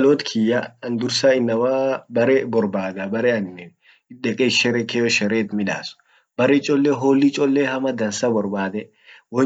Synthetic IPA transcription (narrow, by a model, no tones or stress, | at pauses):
loːt̪kʰɪjːaɐnd̪ʊɾsaɪnːɐwaːbɐɾɛbɔɾbaːd̪ɐbɐɾɛɐnːɛ | ᶑɛkʼɛʃɛɾɛkejɔʃɛɾeːt̪mɪᶑa̰ːsʊ̥ | bɐɾɛt͡ʃʼɔlːɛɦoːlːit͡ʃʼɔlːɛhɐmɐd̪ɐnsɐbɔɾbaːd̪ɛ | wɔ